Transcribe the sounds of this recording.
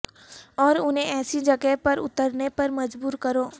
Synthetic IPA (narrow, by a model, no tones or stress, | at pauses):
ɔːɾʊnɦẽʔɛːsid͡ʒɐɡɛpɐɾʊ̰t̪əɾnepɐɾmɐd͡ʒbuːɾkɐɾoː